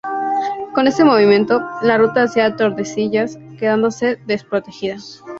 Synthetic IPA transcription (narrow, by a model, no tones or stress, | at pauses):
ko̞ne̞st̪e̞moβ̞imjẽ̞nt̪o̞larut̪aːsjeat̪o̞ɾðe̞siʝaske̞ð̞and̪o̞se̞ðe̞spɾo̞t̪e̞xiða